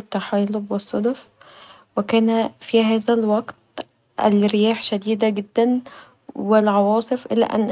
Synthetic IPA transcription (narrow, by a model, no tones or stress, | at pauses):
t̪ːaħaːlobwesˤːɑd̪ɑf | wekæːnæfiɦæːzælwɑɡt̪ | ʔḛlɾejæːħʃæd̪iːd̪æɡed̪ːæn | welʕɑwɑːsˤɨfʔɪlæ̰ːʔæ̰nː